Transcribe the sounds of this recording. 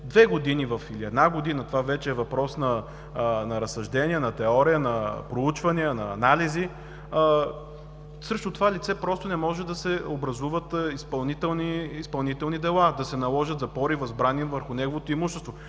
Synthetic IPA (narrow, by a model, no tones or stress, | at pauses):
d̪vɛɡod̪inivɐfiliɛd̪naɡod̪inət̪ovavɛt͡ʃɛːvɐpɾɔsnɐ | nɐɾɐsːɐʒd̪ɛniənɐt̪ɛɔɾijənɐpɾout͡ʃvɐniənɐːnalizi | səʃt̪ot̪ovalʲit̪sɛpɾɔst̪ʊnɛmɔʒɛd̪ɐsɛobɾɐzuvət̪ispɐlˠnit̪ɛlˠniːspɐlˠnit̪ɛlˠnid̪ɛlˠad̪ɐsɛnɐlˠɔʒət̪zɐpɔɾivɐzbɾanivəɾxʊnɛɡovot̪oimuʃɛ̥st̪vo